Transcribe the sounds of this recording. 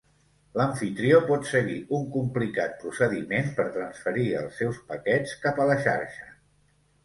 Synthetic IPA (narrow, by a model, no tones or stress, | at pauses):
ləɱfit̪ɾiopɔt̪səɣiuŋkumplikat̪̚pɾusəðimenpəɾt̪ɾənsfəɾiə̰lˠsːɛwspəkɛt͡skapələʃa̰ɾʃə̥